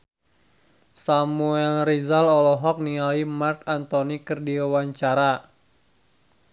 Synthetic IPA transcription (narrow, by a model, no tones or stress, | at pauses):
samuɛlrizalɔlɔɦɔk̚nialimarkant̪ɔnikərdiawaɲt͡ʃaɾa